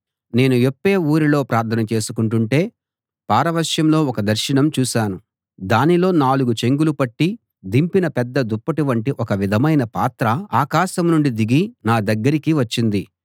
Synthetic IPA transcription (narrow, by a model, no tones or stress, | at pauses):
ne̞ːnujepːe̞ːuːɾilo̞ːpɾaːɾt̪ʰɐnɐt͡ʃe̞ːsukuɳʈuɳʈe̞ː | paːɾɐʋɐɾʃjɐmlo̞ːɔkɐd̪ɐɾʃɐɳɐmt͡ʃuːʃaːnu | d̪aːnilo̞ːnaːluɡut͡ʃe̞ŋɡulupɐʈːi | d̪impinɐpɛd̪ːɐd̪upːɐʈuʋɐɳʈiʔɔkɐʋid̪ʱɐmɐjnɐpaːt̪ɾɐaːkaːʃɐmnuɳɖid̪iɡinaːd̪ɐɡːɐɾikiʋɐt͡ʃːind̪i